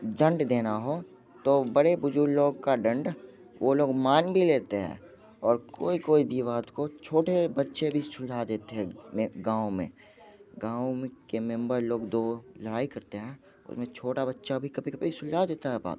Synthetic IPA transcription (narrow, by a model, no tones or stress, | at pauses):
ɖə̃ɳɖd̪eːnaɦoː | t̪obəɽebʊd͡ʒuɾloːɡkaɖə̃ɳɖ | ʋoloːɡmaːnbʱileːt̪eɦɛ̰̃ː | ɔːɾkoːikoːibʱiʋaːd̪kot͡ʃʰoːʈebɐtːʃebʱisʊld͡ʒad̪eːt̪eɦɛ̃ɡãːomḛ̃ | ɡãːwkemɛ̃mbəɾloːɡd̪oːləɽaːikɐɾt̪eɦɛ̃ː | ʊ̰smẽt͡ʃʰoːʈabɐtːʃabʱikɐbʱikɐbisʊlad̪eːt̪aɦɛba̰ːt̪